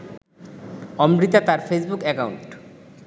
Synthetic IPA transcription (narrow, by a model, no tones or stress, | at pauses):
ɔmɾit̪at̪aɾfesbukɛkauɳʈ